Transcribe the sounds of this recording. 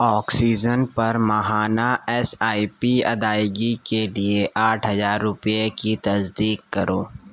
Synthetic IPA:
ɔːksiːd͡ʒənpɐɾmɐɦaːnaɛsaːipiɐ̰d̪aːjɡikelieʔaːʈʰɦɐzaːɾːʊpijekit̪ɐsd̪iːkːɐɾʔoː

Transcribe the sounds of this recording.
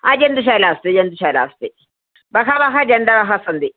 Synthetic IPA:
ad͡ʒɛnd̪uʃalast̪ed͡ʒɛnd̪uʃala̰st̪e | bakaβaxad͡ʒɛnd̪abaxasənd̪i

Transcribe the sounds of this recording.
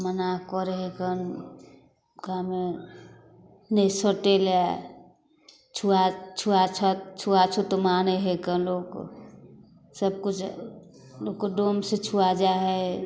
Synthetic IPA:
mənaɦkɔɾeɦekən | kame | nesəʈela | t͡ʃʰuat͡ʃʰuat͡ʃʰat͡ʃʰuat͡ʃʰot̪omaneɦekənlok | səb̚kut͡ʃʰ | lokːoɖomset͡ʃʰuad͡ʒaɦɛ

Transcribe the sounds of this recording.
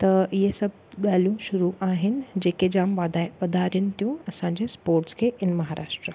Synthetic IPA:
t̪ɐjesɐb̚ | ɡaːljũʃʊɾuʔaːɦɪn̆d͡ʑeːked͡ʑaːmʋad̪ʱaʋɐd̪ʱaɾjənt̪ijũɐsãɲd͡ʑespoːɾʈskʰeʔɪnmɐɦaːɾʔa̰ːʃʈɾə

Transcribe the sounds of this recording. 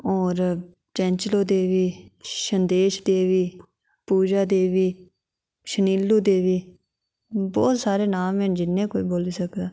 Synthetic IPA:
ɔːɾ | t͡ʃɛ̃ːɲt͡ʃloːd̪eːʋiːʃənd̪eːʃd̪eːʋiː | puːd͡ʒaːd̪eːʋiː | ʃəniːlːuːd̪eːʋiː | bɔːt̪saːɾeːnaːmẽːnd͡ʒɪnːẽːkoːiːboːliːsəkd̪aː

